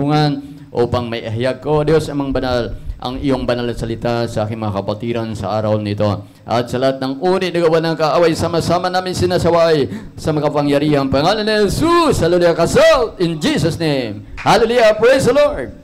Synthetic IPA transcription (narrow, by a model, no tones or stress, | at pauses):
uŋɐn | ʔo̰ːpɐŋmɐjʔɐɦjaɡ̚ko̞d̪jo̞sɐŋmɐŋbɐnalʔɐ̰ŋɪjo̞ŋbɐnalnɐsɐlɪt̪asɐʔaːkɪŋmɐŋakɐbɐt̪iɾɐnsɐ̰ʔaːɾɐwnɪt̪o̞ | ʔɐ̰t̪sɐlɐhat̪̚nɐŋʔuːnɪnɐɡɐwanɐŋkɐʔaːwɐjsaːmɐsaːmɐnaːmɪŋsɪnasɐwaj | sɐmɐkɐpɐŋjɐɾiːhɐŋpɐŋalonːihɛsushɐlolujɐkɐsalt̪ɪnd͡ʒisɐsnejmhalɛlijɐpɹejsd̪ɐloɹd̪̚